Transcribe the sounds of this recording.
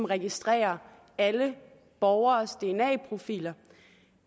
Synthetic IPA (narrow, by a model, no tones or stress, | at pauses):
mʁɛɡ̥isd̥ʁɛ̰ːɐ | ælə | b̥ɒʊɐːsd̥e̝enɛ̰ːpʰʁo̝fḭːlɐ